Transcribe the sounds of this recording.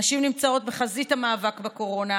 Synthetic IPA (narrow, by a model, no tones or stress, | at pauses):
aʃimnimt͡sao̞t̚beχazitamaːvakbeko̞ʁo̞na